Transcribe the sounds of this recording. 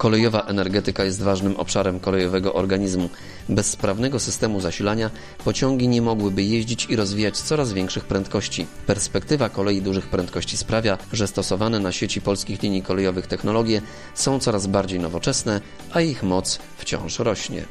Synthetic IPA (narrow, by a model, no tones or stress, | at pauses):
kɔlɛjɔvaʔɛnɛɾɡɛt̪ɘkajɛs̬t̪vaʐnɘmʔɔ̰pʂaɾɛmkɔlɛjɔvɛɡɔʔɔɾɡaɲizmu | bɛsːpɾavnɛɡɔsɘst̪ɛmuzaɕilaɲa | pɔt͡ɕɔŋɡʲiɲɛmɔɡwɘbɘjeʑd͡ʑit͡ɕiɾɔzvʲijat͡ɕt̪sɔɾazvʲjɛŋkʂɘxpɾɛnt̪̚kɔɕt͡ɕipɛɾspɛkt̪ɘvakɔlɛjid̪uʐɘxpɾɛnt̪̚kɔɕt͡ɕispɾavʲjaʐɛst̪ɔsɔvanɛnaɕet͡ɕipɔlskʲixlʲiɲikɔlɛjɔvɘxt̪ɛxnɔlɔɡʲjɛ | sɔ̃w̃t̪sɔɾazbaɾd͡ʑejnɔvɔt͡ʂɛsnɛ | ʔaixmɔt̪s | ft͡ɕɔ̰̃w̃ʂɾɔɕɲɛ̰